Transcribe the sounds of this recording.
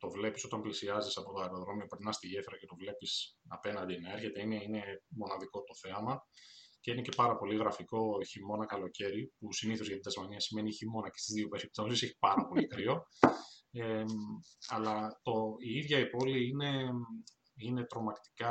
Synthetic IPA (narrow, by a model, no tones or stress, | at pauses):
t̪o̞vle̞piso̞t̪ɐmplisiɐzisɐpo̞t̪oɐeɾo̞ðɾo̞miopɾinɐst̪iʝe̞fɾɐce̞t̪o̞vle̞pisɐpe̞nɐnd̪inɐe̞ɾçe̞t̪e̞ineinemo̞nɐðiko̞t̪o̞θe̞ɐmɐce̞ine̞ce̞pɐɾɐpo̞liɣɾɐfiko̞çimo̞nɐkɐlo̞ce̞ɾipusiniθozʝɐt̪id̪ɐzmɐniɐsime̞niçimo̞nɐce̥st̪izðio̞pe̞ɾip̚t̪o̞siseçi̥pɐɾɐpo̞likɾio̞ | e | ɐlɐt̪o̞iiðʝɐipo̞liine̞ | ine̞t̪ɾo̞mɐkt̪i̥kɐ